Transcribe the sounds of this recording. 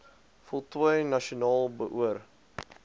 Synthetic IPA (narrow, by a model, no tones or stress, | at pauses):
fɔlˠtwəjnɐʃionɑːlˠbəʔuər